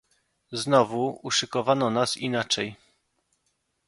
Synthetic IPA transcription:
znɔvuuʂɘkɔvanɔnasinat͡ʂɛj

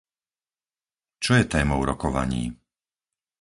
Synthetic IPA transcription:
t͡ʃɔjɛt̪ɛːmɔʊɾɔkɔʋa̰ɲḭː

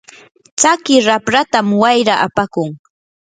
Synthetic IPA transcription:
t͡ʃakɪɾapɾat̪amwajɾaʔapakʊŋ

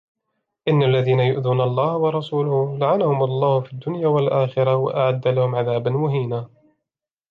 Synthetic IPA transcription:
ʔɪnːalːaðiːnajʊʔðuːnalˤːɑːhwɑɾˤɑsuːlʊhʊlaʕanahʊmɑlˤːɑːhʊfiːd̪ːʊnjaːwalʔaːxɪɾɑwa̰ʔaʕad̪ːalahʊmʕaðaːbanmʊɦiːnaː

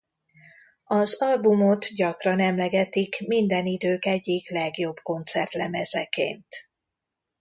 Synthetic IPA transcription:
ɒzɒlbumo̞t̪ɟɒkrɒnɛmlɛɡɛt̪ikmind̪ɛnid̪øːkɛɟːiklɛɡjo̞bko̞nt̪sɛrt̪lɛmɛzɛ̰kḛːnt̪

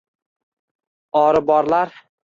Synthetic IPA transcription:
ɒɾɪbɒɾlaɾ

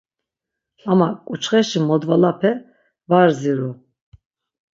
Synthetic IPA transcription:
amakʼut͡ʃʰχɛʃimɔd̪valapʰɛ | vaɾziɾu

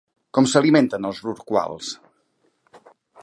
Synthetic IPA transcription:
kɔmsəliment̪ənəlˠzruɾkwa̰lˠs

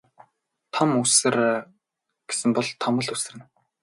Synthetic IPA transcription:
t̪ʰɔmusɘ̆r | ɡ̥e̥sɘ̆mpɔɮt̪ʰɔmɞ̆ɮusɘ̆rɘ̆n

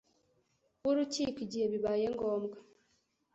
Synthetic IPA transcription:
uɾucikiɟiheβiβajeŋɡoːmɡa

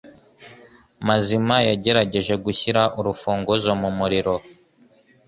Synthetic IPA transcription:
mazimajaɟe̞ɾaɟe̞ʒe̞ɡuçiɾaʔuɾufuːŋɡozomumuɾiɾo̞

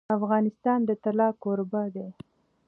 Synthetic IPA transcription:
afɣɑnɪst̪ɑnd̪ət̪alɑkoɾbad̪e

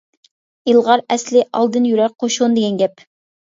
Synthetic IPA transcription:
ilˠʁɑɾɛslɪʔɑ̰lˠd̪ɨnjyɾɛɾqʰoʃund̪ɪɡʲɛnɡʲɛp

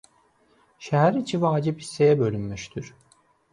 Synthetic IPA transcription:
ʃɛɦæɾit͡ʃʰivaːd͡ʒiphi̥sːejɛbø̞lʲymmyʃt̪ʰyɾ̥

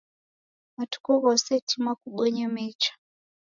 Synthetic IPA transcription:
βatu̥kɔβɔsɛtʰimwakuɓɔɲamɛt͡ʃḁ

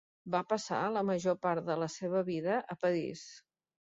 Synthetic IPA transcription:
bapəsa̰ləməʒopaɾt̪d̪ələseβ̞əβiðəʔəpəðḭs

